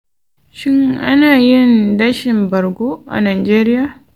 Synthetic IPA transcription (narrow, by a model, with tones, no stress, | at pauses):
ʃɪ˦ŋʔa˦naː˨jɪ˦nda˦ʃɪ˨mbɐ˨ɾɡoː˦ʔa̰˨naː˨d͡ʒeː˦ɾɪ˦jaː˨